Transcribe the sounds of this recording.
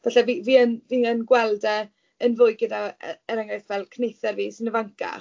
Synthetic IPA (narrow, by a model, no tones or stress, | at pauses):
vaɬɛviviːənviːənɡwɛlˠdɛ | ənvʊːɨɡədaɛɾaŋajθvɛlˠkʰnejθɛrviːsɪnəvaŋkʰa̰